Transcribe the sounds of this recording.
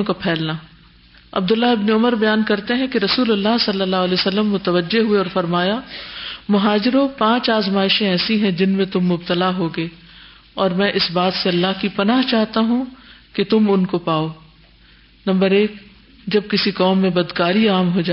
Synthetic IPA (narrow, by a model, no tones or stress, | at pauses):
kapʰɛːlna | ɐ̰b̚d̪ʊlːaɦɪbneʊməɾbɐjaːnkɐɾt̪eɦɛ̃keɾɐsuːlɐlːaɦsɐlːəlːaːɦɐlɛːsɐlːəmːʊt̪əʋəd͡ʒeɦueɔːɾfɐɾmaːja | mʊɦaːd͡ʒɪɾopãːt͡ʃaːzmaːɪʃẽɛːsĩɦɛ̃d͡ʒɪnmẽt̪ʊmːʊbt̪əlaɦoːɡeː | ɔːɾmɛ̃ʔɪsbaːt̪seɐlːaɦkipɐnaːɦt͡ʃaːɦt̪aɦũket̪ʊmʊnkopaːoː | nɐ̃mbəɾeːk | d͡ʒɐb̚kɪsikɔːmːẽbɐd̪kaːɾiaːmɦod͡ʒaː